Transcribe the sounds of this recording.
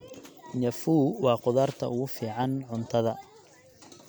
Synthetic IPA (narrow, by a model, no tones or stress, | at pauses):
ɲɐfuːwɑːqʊðaːrt̪ʰɐ̰ʊɣʊfiːʕɑnʕʊnt̪ʰɐðɐ